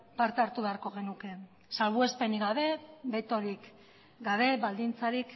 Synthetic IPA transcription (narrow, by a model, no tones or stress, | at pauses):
paɾt̪eaɾt̪uβe̞aɾko̞ɣ̞e̞nuke̞ | salβue̞spe̞niɣaβe̞be̞t̪o̞ɾik | ɡaβ̞e̞βald̪int͡saɾik